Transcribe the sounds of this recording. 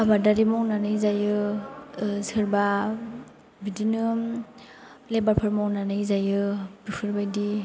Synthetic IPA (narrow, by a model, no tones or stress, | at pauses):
abadaɾimɔwnanɯjzajɯ | sɯɾba | bidinɯ | lebaɾpʰaɾmɔwnanɯjzajɯb̥ikʰɯɾbajdi